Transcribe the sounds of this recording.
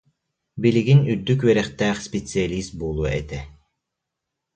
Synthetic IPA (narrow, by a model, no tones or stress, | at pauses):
biliɡinyd̪ːykwɛɾɛχt̪æːχsʲpʲet̪sɨalʲist̪̚bulˠuɛ̰t̪ɛ